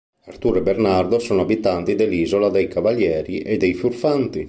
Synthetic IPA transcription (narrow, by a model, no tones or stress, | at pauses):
art̪uɾɛbeɾnard̪osoːnoabit̪ant̪id̪eliːzolad̪ejkavaljɛːɾiʔed̪ejfurfant̪i